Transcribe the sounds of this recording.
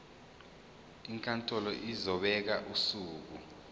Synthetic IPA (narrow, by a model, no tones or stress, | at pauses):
iŋkʰʼantʼɔlɔʔizɔɓɛk̬aʔusuːk̬u